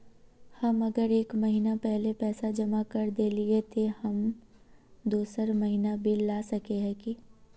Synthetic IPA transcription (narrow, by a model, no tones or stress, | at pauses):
hɐmɐɡəɾeːkmɐɦiːnapɛɦlepɛːsad͡ʒɐmakɐɾd̪eːliet̪ʰehɐm | d̪oːsəɾmɐɦinabʱillaːsɐkeɦɛ̃ki